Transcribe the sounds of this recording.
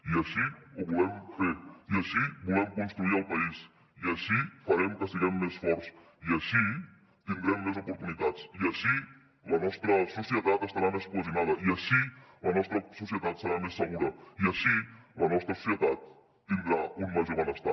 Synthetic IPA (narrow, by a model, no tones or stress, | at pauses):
iəʃiuβulɛmfeɾiəʃibulɛmkunst̪ɾuiəlˠpɐis | iəʃifɐɾɛmkəsiɣɛmːesfɔɾs | iəʃi | t̪ind̪ɾɛmːezupuɾt̪unit̪at͡siəʃi | lɐnɔst̪ɾəsusjət̪at̪əst̪ɐɾamespuzinaðəiəʃilɐnɔst̪ɾəsusjət̪at̪səɾamesːəɣuɾəiəʃilənɔst̪ɾəsu̥sjət̪at̪̚ː | ind̪ɾaunmaʒuβanəst̪a